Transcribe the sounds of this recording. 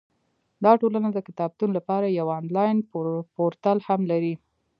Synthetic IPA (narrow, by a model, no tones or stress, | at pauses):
d̪ɑʈolanad̪əkɪt̪ɑb̚t̪unolapɑɾajawɑnlɑjnpoɾt̪alhamlaɾi